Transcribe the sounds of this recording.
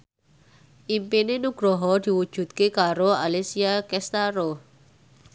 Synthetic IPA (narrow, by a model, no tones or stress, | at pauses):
ʔimpinenuɡ̥ɾɔɦɔd̪̥i̤wud̥ʒ̥ṳt̪̚kekaɾoalisiakɛst̪aɾo